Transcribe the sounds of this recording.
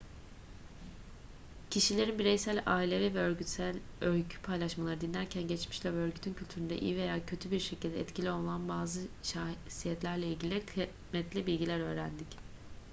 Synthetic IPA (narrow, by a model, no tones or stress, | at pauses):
cʰiʃilʲe̞ɾinbiɾɛjsælʲaːilʲevivɛøɾɟyt̪sælʲølcʰy̥pʰajlˠaʃmalˠaɾɯd̪inlʲæɾcʰænɟɛt͡ʃmiʃlʲɛvɛøɾɟyt̪ʰyncʰylʲt̪ʰyɾynd̪ɛ̰ʔḭjive̞jaːcʰø̞t̪ʰybiɾʃecʰilʲd̪ɛːt̪cʰilʲio̞lˠnˠanbaːzɯʃasijɛt̪lʲæɾlʲɛilʲɟilʲikʰ | mɛt̪lʲibilʲɟilʲæɾø̞ːɾænd̪ic